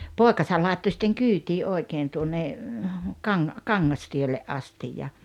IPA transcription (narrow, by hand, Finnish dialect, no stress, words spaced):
poˑekɑsɑl lɑˑetːo sĭtːeŋ kyːtiː ʔoi̞keːn tuonːe kɑŋ kɑŋːɑstielːeʔ ɑstij jɑ